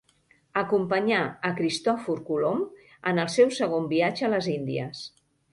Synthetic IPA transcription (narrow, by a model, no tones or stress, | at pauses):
əkumpəɲaəkɾist̪ɔfuɾkulom | ənəlˠsɛwsəɣ̞ombiad͡ʒəːləzind̪iəs